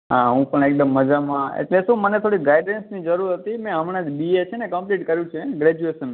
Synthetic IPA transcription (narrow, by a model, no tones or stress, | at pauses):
ɦaɦũpəɳek̚ɖəmːəd͡ʒamãḛʈlesũmənet̪ʰoɽiɡaiɖensnid͡ʒəɾuɾɦət̪imɛ̃ɦəmɽ̃ãd͡ʒbiet͡ʃʰenekəmpliʈkəɾjũt͡ʃʰeɡɾɛd͡ʒueʃənmã